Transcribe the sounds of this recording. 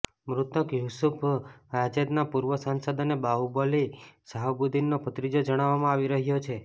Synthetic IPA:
mɾut̪əkjusupʰad͡ʒed̪napuɾʋəsãnsəd̪ənebaubolisaɦəbud̪inːopət̪ɾid͡ʒod͡ʒəɽ̃aʋːamãaʋiɾəɦjot͡ʃʰe

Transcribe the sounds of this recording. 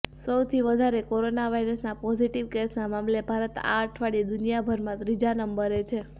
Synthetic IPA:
səwt̪ʰiʋəd̪ʱaɾekoɾonaʋaiɾəsnapɔziʈiʋkesnamamlebʱaɾət̪a̰əʈʰʋaɽid̪unijabʱəɾmãt̪ɾid͡ʒanəmbəɾet͡ʃʰe

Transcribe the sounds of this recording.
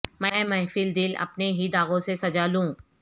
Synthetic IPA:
mɛ̃ːmɛːfɪld̪ɪlɐ̰pneɦid̪aːɣõsesɐd͡ʒaːlũː

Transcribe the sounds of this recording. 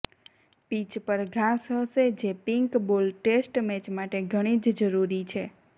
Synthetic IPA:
pit͡ʃpəɾɡʱasɦəʃed͡ʒepiŋkbolʈesʈmɛt͡ʃmaʈeɡʱəɽ̃id͡ʒd͡ʒəɾuɾit͡ʃʰe

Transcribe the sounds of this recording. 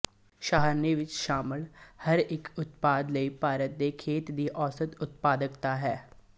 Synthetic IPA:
ʃaːɦəɾneːʋɪt͡ʃʃaːməlhəɾɪkʊt̪paːd̪ləiːpaːɾət̪̚d̪eːkʰeːt̪d̪iːʔɔːsət̪ʊt̪̚paːd̪əkt̪aːɦɛː

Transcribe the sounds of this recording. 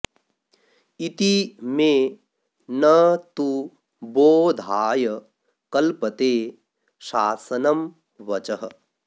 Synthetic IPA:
it̪imẽ | nɐt̪u | boːd̪ʱaːjɐ | kɐlpɐt̪eː | ʃaːsɐnɐm | ʋɐt͡ʃɐɦɐ̰̆

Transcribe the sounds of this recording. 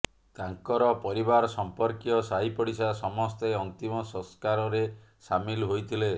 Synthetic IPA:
t̪aŋkɔɾɔpɔɾibaɾɔsɔmpɔɾkiɔsaɦipɔɽisasɔmɔst̪eɔnt̪imɔsɔ̃skaɾɔɾe | samilɦojt̪ʰile

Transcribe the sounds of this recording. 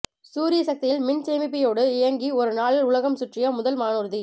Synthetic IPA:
suːɾɪjɐsɐk̚t̪ɪjɪlmɪnt͡ʃeːmɪp̬ːɪjoːɽɯɪjɐŋɡiɔɾɯnaːɭɪlʊlɐɣɐmsʊʈrɪjɐmʊðɐlmaːnuːɾði

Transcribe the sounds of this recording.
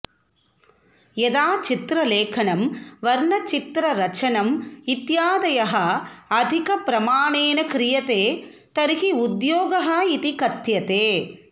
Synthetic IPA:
jed̪aːt͡ʃit̪ɾɐleːkʰɐnɐmʋɐɾɳɐt͡ʃit̪ɾɐɾɐt͡ʃɐnɐmit̪jaːd̪ɐjɐɦɐɐd̪ʱikɐpɾɐmaːɳeːnɐkɾɪjɐt̪eː | t̪ɐɾiɦiud̪joːɡɐɦɐit̪ikɐt̪jɐt̪eː

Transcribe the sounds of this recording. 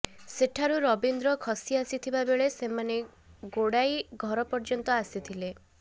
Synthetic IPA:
seʈʰaɾuɾɔbind̪ɾɔkʰɔsiasit̪ʰibabeɭesemane | ɡoɽajɡʱɔɾɔpɔɾd͡ʒɔnt̪ɔasit̪ʰile

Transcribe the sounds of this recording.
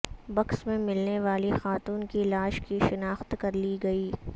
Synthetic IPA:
bɐksmẽmɪlneʋaːlixaːt̪uːnkilaːʃkiʃɪnaːxt̪kɐɾliɡɐiː

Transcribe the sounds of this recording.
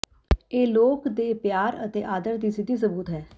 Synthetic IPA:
eːloːkd̪eːpjaːɾə̰t̪eːʔaːd̪əɾd̪iːsɪd̪iːs̬əbuːt̪ɦɛː

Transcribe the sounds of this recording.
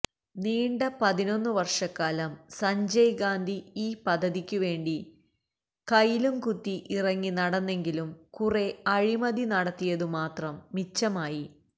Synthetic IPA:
niːɳɖɐpɐðino̞nːɨʋɐrʂɐkːaːlɐmsɐɲd͡ʑɐjɡaːnd̪ʱiiːpɐd̪ʱːɐðikʲːuʋe̞ːɳɖi | kɐjilumkut̪ːiʔirɐŋːinɐɽɐnːe̞ŋɡilumkure̞ɐɻimɐðinɐɽɐt̪ːijɐðɨmaːt̪rɐmːit͡ɕːɐmaːji

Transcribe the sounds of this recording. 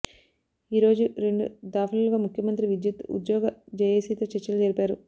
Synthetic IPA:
iːɾo̞ːd͡ʒuɾeɳɖud̪aːpʰɐlɐlɡaːmukʰjɐmɐnt̪ɾiʋid̪jut̪ṵd̪jɔːɡɐd͡ʒɐjesiːt̪ɐt͡ʃet͡ʃːɐlud͡ʒɐɾipaːɾu

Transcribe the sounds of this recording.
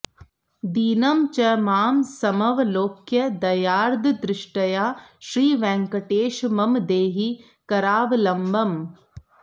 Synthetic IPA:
d̪iːnɐmt͡ʃɐmaːmsɐmɐʋloːkjɐd̪ɐjaːɾd̪ʱd̪ɾɪʃʈɐjaːʃɾiːʋɛ̃ːŋkɐʈeːʃmɐmd̪eːɦi | kɐɾaːʋlɐmbɐm

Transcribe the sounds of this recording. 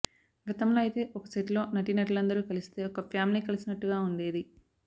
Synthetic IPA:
ɡɐt̪ɐmloːɐjt̪e̞ːʔɔkɐseʈlo̞ːnɐʈinɐʈ̬lɐnd̪ɐɾuːkɐlist̪e̞ːɔkɐpʰjaːmiliːkɐlisinɐʈːuɡaːuɳɖe̞ːd̪i

